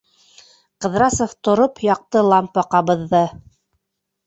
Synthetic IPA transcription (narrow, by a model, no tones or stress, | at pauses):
qɤ̆ðɾɑsŏft̪ŏɾopjɑq̚t̪ɤlˠɑmpːɑqɑβɤ̆ðːɤ